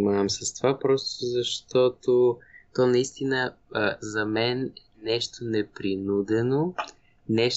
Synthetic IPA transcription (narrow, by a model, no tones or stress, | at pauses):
maɛmsɐst̪ovapɾɔst̪ozɐʃt̪ɔt̪ot̪ɔnɐist̪inəzɐmɛnɛnɛʃt̪onɛpɾinud̪ɛno | nɛʃ